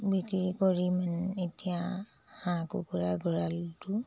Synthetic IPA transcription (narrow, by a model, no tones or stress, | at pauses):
bikɹikɔɹimanetijã | hãkṵkɔɹaɡɔɹaltu